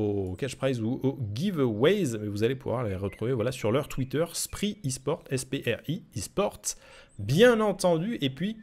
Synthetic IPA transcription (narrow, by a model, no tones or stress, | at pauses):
okaʃpχajzuoɡʲivwɛjzmɛvuzalepuvwa̰ʁleʁət̪χuvevwalasyʁlœʁt̪wit̪œʁspχiispɔʁt̪ɛspeʔɛʁiːspɔʁt̪ | bjɛ̃nɑ̃t̪ɑ̃d̪yʔepɥi